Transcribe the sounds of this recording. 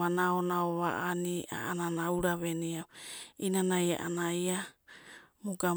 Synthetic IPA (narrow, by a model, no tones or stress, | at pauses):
anaonaoβa̰ʔania̰ananauɾaβeniawinanaja̰ʔanaja | muɡa